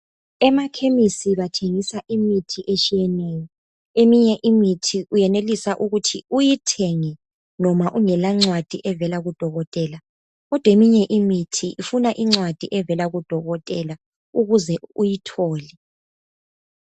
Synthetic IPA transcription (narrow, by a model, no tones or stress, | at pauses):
ɛmakʰemisiβatʰeŋisaʔimitʰiʔet͡ʃʼijɛnɛːjɔ | emiɲɛʔimitʰiʔujɛnelisaʔuɣutʰiujitʰeŋi | nɔmaʔuŋɛlaŋ͡ǀwad̥ʱiʔɛvɛlaɣud̥ʱɔɣɔtʼɛːla | ɣɔd̥ʱwemiɲɛʔimitʰiʔifunaʔiŋ͡ǀwad̥ʱiʔɛvɛlaɣud̥ʱɔɣɔtʼɛla | uɣuzɛujitʰɔːli